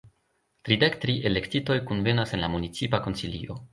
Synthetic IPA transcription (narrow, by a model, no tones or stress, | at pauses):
tɾidekt̪ɾiʔele̞ktito̞jkunve̞nase̞nlamunit͡sipako̞nsilḭo̞̰